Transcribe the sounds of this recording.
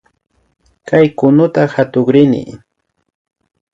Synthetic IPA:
kajkʊnʊt̪axat̪ʊχɾɪnɪ̰

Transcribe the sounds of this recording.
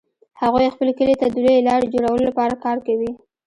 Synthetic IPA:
haɣujxpəlekəlet̪ad̪əlelɑɽed͡ʒoɽawəlolapɑɾakɑɾkawi

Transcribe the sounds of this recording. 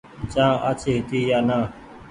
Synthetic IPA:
t͡ʃãːʔa̰t͡ʃʰeːɦɪt̪iːjaːnaː

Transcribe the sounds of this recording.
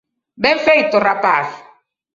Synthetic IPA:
bɛ̃ɱfɛjtorapas

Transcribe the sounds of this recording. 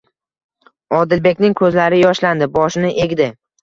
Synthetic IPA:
ɒd̪ɪlbe̞kʲnɪŋkʰɵzlaɾɪjɒʃland̪ɪbɒʃɪnɪʔe̞ɡʲd̪ɪ

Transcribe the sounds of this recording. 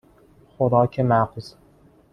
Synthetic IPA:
xod̪ɒːkʲʰemæqz̥

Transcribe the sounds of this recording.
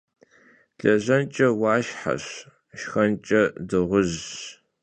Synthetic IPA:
ɬɐʑɐnt͡ʃʼɐwaːʃħa̰ɕ | ʃxɐnt͡ʃʼɐdɨʁʷʊʑ

